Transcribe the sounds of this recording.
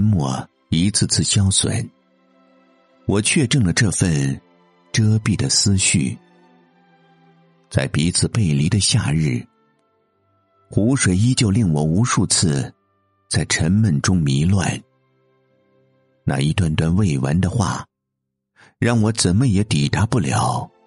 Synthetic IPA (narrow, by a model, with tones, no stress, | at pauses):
nmwɔ˥˧ | i˧˥t͡sʰɹ̩˥˧t͡sʰɹ̩˥˩ɕjɑ˥ʊswə̰˨˩˦n | wɔ˨˩t͡ɕʰɥɛ˥˧ʈ͡ʂə˥˩ŋlə˩ʈ͡ʂɤ˥˧fə˥˧n | ʈ͡ʂɤ˥pi˥˩d̪ə˩sɹ̩˥ɕy˥˩ | t͡sa˥˩ɪpi˧˥t͡sʰɹ̩˨˩pe˥˩ɪli˧˥d̪ə˧ɕja˥˧ɻɻ̩˥˩ | xu˧˥ʂwe˨˩ɪi˥t͡ɕjo˥˧ʊli˥˩ŋwɔ˨˩u˧˥ʂu˥˧t͡s̩ʰ˥˧ | t͡sa˥˩ɪʈ͡ʂʰə˧˥nmə˧˩nʈ͡ʂʊ˥ŋmi˧˥lwa̰˥˩n | na̰˥˧˩i˧˥t̪wa˥˩nt̪wa˥˧nwe˥˩ɪwa̰˧˥nd̪ə˧xwa̰˥˩ | ɻɑ˥˩ŋwɔ˧˥t͡sə˨˩nmə˦jɛ˧˥t̪i˨˩t̪a˧˥pu˥˩ljɑ˨˩˥ʊ